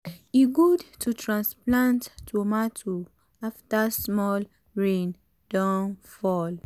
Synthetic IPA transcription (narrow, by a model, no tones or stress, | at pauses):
iɡudtʰutʰɹãnsplãntːʰumatʰu | aftasmɔl | ɹẽn | d̥ãnfɔl